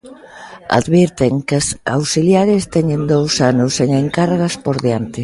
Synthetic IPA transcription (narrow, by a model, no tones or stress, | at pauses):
a̰ðβiɾt̪eŋkasawsiljaɾɪst̪ɛɲɪnd̪owsanʊseŋeŋkarɣɐspoɾðjant̪ɪ